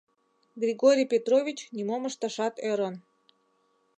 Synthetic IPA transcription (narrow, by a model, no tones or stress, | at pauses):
ɡrʲiɡoɾʲijpʲet̪rovʲit͡ɕnimoməʃt̪ɑʃɑt̪øɾən